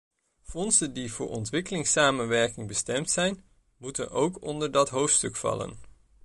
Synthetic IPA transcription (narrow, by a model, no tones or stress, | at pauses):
fɔnsəndivʊ̰ːɹʔɔ̰ntʋɪkəlɪŋsaːmənʋɛɹkɪŋbəstɛmtsɛjn | mutəno̰wkɔ̰ndəɹdɑtɦowftstɵkfɑ̰lə̰n